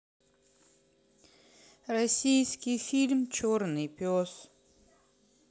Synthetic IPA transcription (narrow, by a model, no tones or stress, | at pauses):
rɐsʲijskʲijfʲilʲmt͡ɕornɨjpʲos